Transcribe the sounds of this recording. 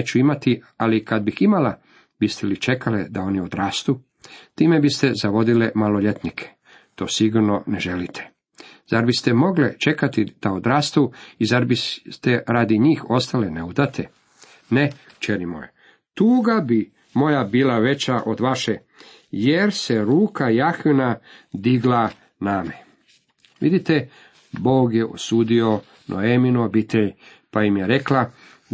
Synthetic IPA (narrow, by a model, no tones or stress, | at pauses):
t͡ɕuimat̪ialikad̪̚biximala | bist̪elit͡ʃe̞kʰaled̪ao̞niod̪ɾaːst̪u | t̪iːmebist̪e̞zaʋo̞d̪ilemaloʎet̪nikʰe̥ | t̪o̞ːsiɡuɾno̞neʒelit̪ʰe̥ | zaɾbist̪emo̞ɡlet͡ʃe̞kat̪id̪̥aod̪ɾaːst̪uizaɾbit̪eɾaːd̪iɲiːxo̞st̪aleneud̪at̪ʰe | ne | t͡ʃenimo̰jḛ | t̪uːɡabi | mo̞jabiːlaʋe̞t͡ɕaʔo̞d̪ʋaʃe | jeɾseɾuːkajaxʋinad̪iɡla | name | ʋid̪it̪e | bo̞ːɡjeʔo̰suːd̪io̞ | nʔo̰eminuobit̪eʎ | paimjeɾe̞kla